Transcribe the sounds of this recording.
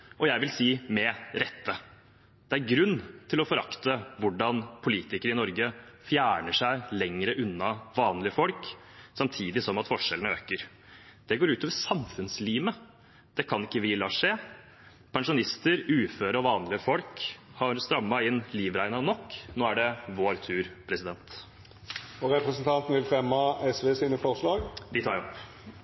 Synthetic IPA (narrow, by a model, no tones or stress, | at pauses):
ʔɔjæɪʋɪlsiːmɛɾɛt̪ːə | d̪̥ɛæɾɡɾʉnːt̪ʰɪlɔfɔɾɑkt̪əʋʊɖɑnpʰʊliːt̪ɪkəɾəɪnɔɾɡəfjæːɳəʂæɪlɛŋɾəʔʉnːɑʋɑːnlɪəfɔlk | sɑmt̪ʰiːd̪ɪsɔmɑt̪fɔʂɛlənəøːkəɾ | d̪̥ɛɡoːɾʉːt̪ɔʋəsɑmfʉnsliːmə | d̪̥ɛkʰɑnɪkːəʋɪlɑːʂeː | pʰɛŋʂʊnɪst̪əɾʉːføːɾəɔʋɑːnlɪəfɔlkhɑɾst̪ɾɑmːɑɪnːliːʋɾæɪnɑnɔkːnoːæɖɛʋoːɾt̪ʰʉːɾpʰɾɛsɪd̪ɛnt̪ | ɔɾɛpɾəsnt̪ʰɑnt̪n̩ʋɪlfɾɛmːɑɛsʋeːsiːnəfɔʁʂlɑːɡd̪ɪt̪ʰɑːɾɔp